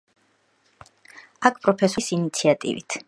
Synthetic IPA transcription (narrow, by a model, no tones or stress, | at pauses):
akʰpʼɾɔpʰɛsusinit̪sʰiat̪ʼḭvḭt̪ʰ